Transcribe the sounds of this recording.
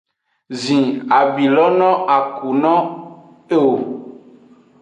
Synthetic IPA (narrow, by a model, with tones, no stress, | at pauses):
zĩ˨a˨bi˨lɔ˦nɔ̃˦a˨ku˨nɔ̃˦ | e˦o˨